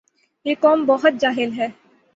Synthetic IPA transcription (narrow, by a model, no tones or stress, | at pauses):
jeːkɔːmbɔɦʊt̪̚d͡ʒaːɦɪlɦɛː